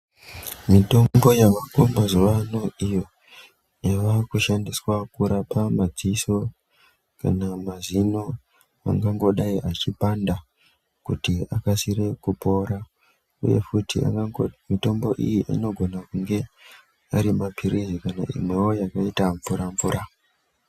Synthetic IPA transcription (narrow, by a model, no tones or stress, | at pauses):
mito̞mbo̞jaʋakombazuʋano̞ijo̞ | iʋakuʃandiswakuɾapamad͡ziso | ka̰namazino̞ | a̰ŋɡaŋɡo̞ɗaiʔat͡ʃipanda | kutiakasire̞kupo̞ɾa | ṵje̞̰futia̰ŋɡamito̞mbo̞ʔḭjiʔḭno̞ɡʱo̞nakuŋɡe̞ | aɾimapʰiɾizikana̰ḭmwe̞wojakaitaɱvuɾaɱvuɾʔa